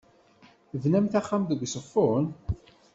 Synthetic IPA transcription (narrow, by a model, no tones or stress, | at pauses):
vnæmθaχːamðəɡʷsəfːʊn